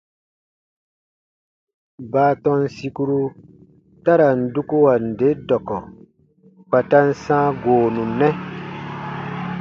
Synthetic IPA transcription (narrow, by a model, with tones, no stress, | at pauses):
baː˨˦tɔ̃˦nsi˦ku˦ɾu˦ | ta˦ɾa˨n̩˨du˦ku˦wa˨n̩˨de˨˦dɔ˨kɔ˨ | k͡pa˨ta˦n̩˦sãː˦ɡoː˨nũ˨nːɛ˦